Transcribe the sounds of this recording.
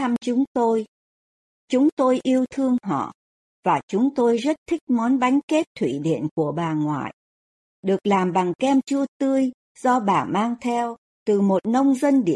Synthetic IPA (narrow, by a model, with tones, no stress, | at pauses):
a˧mt͡ɕʊ˨˦ŋ͡mt̪o˧j | t͡ɕʊ˨˦ŋ͡mt̪o˧jʔi˧əwt̪ʰɨ˧əŋɦɔ̰˧˨ | v̥aː˨˩t͡ɕʊ˨˦ŋ͡mt̪o˧jzə˦˥t̚t̪ʰï˦˥k̟̚mɔ˨˦nɓa˨˦jŋ̟ke˦˥t̚t̪ʰwḭ˧˨ɗḭ˧˨ənku˧˩əɓaː˨˩ŋwa̰ː˧˨j | ɗɨ˨˩ək̚laː˨˩mɓa˨˩ŋkɛ˧mt͡ɕu˧ət̪ɨ˧əj | zɔ˧ɓaː˨˩maː˧ŋt̪ʰɛ˧w | t̪ɨ˨˩mo˨˩t̚nə˧wŋ͡mzə˧nɗḭ˧˩˨ə